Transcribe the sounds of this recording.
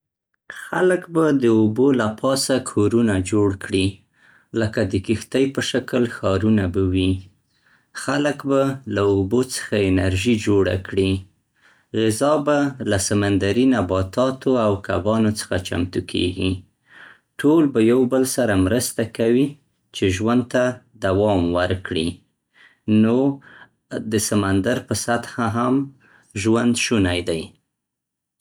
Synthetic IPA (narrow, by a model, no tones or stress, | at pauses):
xaləkbad̪əobolapʰɑsakʰoɾunad͡ʒoɽkɽi | ləkad̪əkixt̪ajpəʃakəlxɑɾunabawi | xaləkbalaobot͡sə̥xaɪnaɾʒid͡ʒoɽa̰kɽi | ɣɪzɑbalasamand̪aɾinabɑt̪ɑt̪oawka̰bɑnot͡sə̥xat͡ʃa̰mt̪ukʰḛɡi | ʈʰolbajawbəlsaɾamɾəst̪akawi | t͡ʃeʒwand̪̚t̪ad̪awɑmwəɾkɽi | no | d̪əsamand̪aɾpəsat̪haɦam | ʒwand̪ʃunajd̪aj